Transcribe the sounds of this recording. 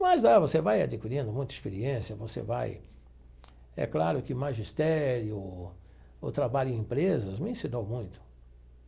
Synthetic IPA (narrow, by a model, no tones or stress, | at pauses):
mɐzlavosevaja̰d͡ʒikiɾĩnd̪ʊmũj̃t̪ɐispeɾiẽsiɐvosḛva̰j | ɛ̰klaɾʊkɪmaʒist̪ɛɾjʊ | ʊt̪ɾabaʎʊẽĩmpɾezɐzmɪĩsinowmũj̃t̪ʊ̥